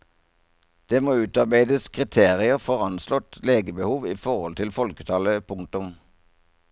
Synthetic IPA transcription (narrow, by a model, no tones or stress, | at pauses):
d̪̥eːmoːʉːt̪ɑʁbæɪd̪əskʰʁɪt̪ʰeːʁɪəʁfɔʁɑnslɔt̪leːɡəbəhuːʋiːfɔʁhɔlt̪ʰɪlfɔlkət̪ʰɑːləpʰʊŋ̚t̪ʊm